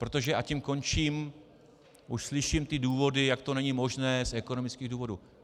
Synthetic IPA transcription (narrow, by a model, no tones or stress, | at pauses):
pɾo̞t̪oʒɛʔacimko̞nt͡ʃiːm | ʔuʃslɪʃimt̪ɪduːvo̞dɪjakt̪o̞nɛɲimo̞ʒnɛːzʔɛko̞no̞mɪt͡skiːɣduːvo̞du